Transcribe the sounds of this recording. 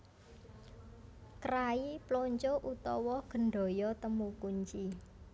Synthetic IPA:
kɾaiploɲt͡ʃoʔut̪ɔwɔɡ̥ə̤ɳɖɔ̤jɔt̪əmukuɲt͡ʃi

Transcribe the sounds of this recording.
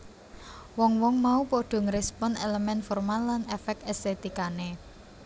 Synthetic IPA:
wɔŋwɔŋmaupoɖ̥ɔ̤ŋɾɛspɔneləmɛnfɔrmalːanefɛk̪̚ɛst̪et̪ikane

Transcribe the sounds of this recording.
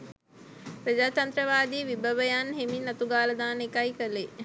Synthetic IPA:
pɾəd͡ʑaːt̪ɐnt̪ɾəʋaːd̪iːʋibəʋəjanɦeminːɐt̪uɡaːləd̪aːnekajkəle

